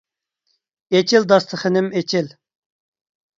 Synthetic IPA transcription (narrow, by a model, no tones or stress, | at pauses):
et͡ʃʰɪld̪ɑst̪ʰəχənɪmet͡ʃʰɪl